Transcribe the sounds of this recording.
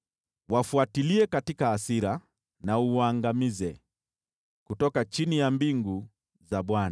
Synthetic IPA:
wafuatiliɛkatikaːsiɾa | nauaŋɡamizɛ | kutɔkat͡ʃinijambiŋɡu | zaɓwana

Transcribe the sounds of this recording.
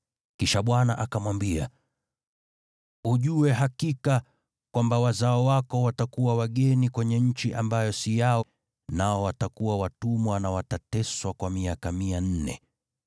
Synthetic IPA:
kiʃaɓwanaʔakamwambia̰ | uʄuwɛɦakika | kwambawazaɔwakɔwatakuwawaɠɛnikwɛɲɛɲ̩t͡ʃiʔambajɔsijaɔ | naɔwatakuwawatumwanawatatɛswakwamiakamian̩nɛ̰

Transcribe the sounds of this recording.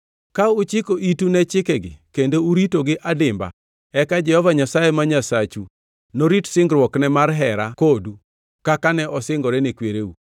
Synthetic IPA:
kaʊt͡ʃɪkoʔitunɛt͡ʃɪkɛɡɪ̰kendouɾitoɡɪʔadɪmba̰ | ɛkad͡ʒɛhɔvaɲasajemaɲasat͡ʃu | noɾitsɪŋɡɾwɔknɛmarɦɛɾakodu | kakanɛʔɔsɪŋɡɔɾɛnekweɾeu

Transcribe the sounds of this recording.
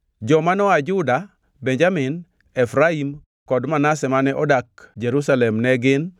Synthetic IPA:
d͡ʒɔmanɔad͡ʒuda | beɲd͡ʒamɪn | ɛfɾaim | kɔdmanasɛmanɛʔɔdak̚d͡ʒeɾusalɛmnɛɡɪn

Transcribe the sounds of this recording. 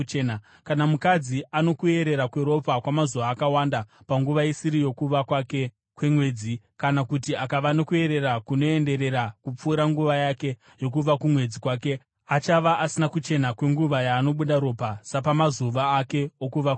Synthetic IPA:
ena | kanamukad͡ziano̞kue̞ɾe̞ɾakwe̞ɾo̞pakwamazuʋaːkawanda | paŋɡuʋaisiɾijo̞kuʋakwake | kwe̞mwe̞ːd͡zi | kanakutiakaʋano̞kue̞ɾe̞ɾakuno̞e̞nde̞ɾe̞ɾakup͡fuːɾaŋɡuʋajake̞ | jo̞kuʋakumwe̞d͡zikwaːke̞ | at͡ʃaʋaʔasinakut͡ʃe̞nakwe̞ŋɡuʋajaːno̞ɓuɗaɾo̞pasapamazuʋaːke̞okuʋak

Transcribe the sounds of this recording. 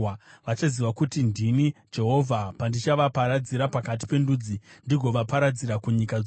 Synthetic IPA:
ʋat͡ʃaziʋakutindinid͡ʒe̞ɦo̞vʱapandit͡ʃaʋapaɾad͡ziɾapakat̬i̥pe̞nduːd͡zindiɡʱo̞ʋapaɾad͡ziɾakuɲika

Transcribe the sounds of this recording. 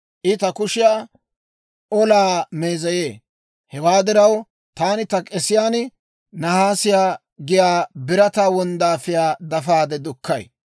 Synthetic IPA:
ʔɪt̪ɐkʊʃɪjaː | ʔɔlaːmeːzɐje̞ː | hɛwaːd̪ɪɾɐw | t̪aːnɪt̪ɐkʼɛsɪjaːnɪ | nɐhaːsɪjaː | ɡɪjaːbɪɾɐt̪aːwɔnd̪aːfɪjaːd̪ɐfaːd̪ɛd̪ʊkʰːɐj

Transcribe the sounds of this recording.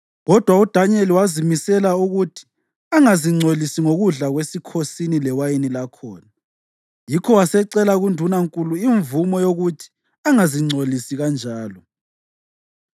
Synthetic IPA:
ɣɔd̥ʱwaud̥ʱaɲɛliwazimisɛlauɣutʰi̥ | aŋaziŋ͡ǀʱolisiŋoɣuɮaɣwesikʰosinilɛwajenilakʰɔːna | jikʰɔwasɛǀɛlaɣundʱunaŋkʼuluiɱvumɔjoɣutʰi̥ | aŋaziŋ͡ǀʱolisiɣand͡ʒʱaːlɔ

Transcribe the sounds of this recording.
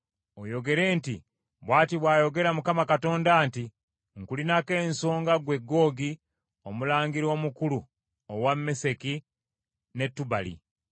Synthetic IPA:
ojo̞ɡe̞ɾe̞ːntḭ | βwaːtiβwaːjo̞ɡe̞ɾamukamakato̞ːndaːnti | ŋkulinake̞ːnso̞ːŋɡaɡwe̞ɡːo̞ːɡi | omulaːŋɡiɾo̞mukulu | owamːe̞se̞ki | ne̞tːuba̰lḭ

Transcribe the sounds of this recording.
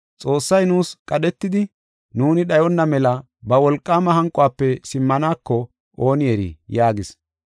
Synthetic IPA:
t͡sʼo̞ːsːɐjnuːskʼɐɗɛt̪ːɪd̪ɪ | nuːnɪɗɐjɔnːɐmɛlɐ | bɐwɔlkʼːaːmɐhɐŋkʼʊaːpːɛsɪmːɐnaːkːɔ | ʔoːnɪjɛɾḭːjaːɡɪs

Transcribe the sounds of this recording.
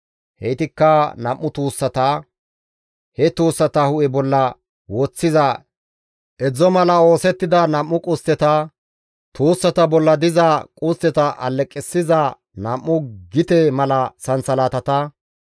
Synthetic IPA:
hɛjt̪ɪkːɐnɐmːʊt̪uːsːɐt̪aː | hɛt̪uːsːɐt̪ɐhʊʔɛbɔlːɐ | wot͡sːɪzɐ | ʔɛd͡zɔmɐlɐo̞ːsɛt̪ːɪd̪ɐnɐmːʊkʼʊst̪ːɛt̪ɐ | t̪uːsːɐt̪ɐbɔlːɐd̪ɪzɐkʼʊst̪ɛt̪ɐʔɐ̰lːɛkʼːɪsːɪzɐ | nɐmːʊɡɪt̪ɛmɐlɐsɐnsɐlaːt̪ɐt̪ɐ

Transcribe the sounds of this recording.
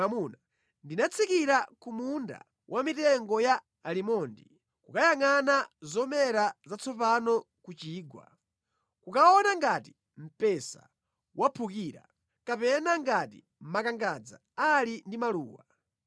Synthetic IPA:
amuna | ndinat͡sʰikiɾakumunda̰ | wʔamitɛŋɡɔja | alimɔndi | kukajaŋanazɔmɛɾazat͡sʰɔpanɔ | kut͡ʃiːɡwa̰ | kukaɔnaŋɡati̥ | m̩pɛsa̰ | wapʰuk̬iːɾa̰ | kapɛnaŋɡatḭ | m̩makaŋɡad͡za̰ | alindimalṵːwa

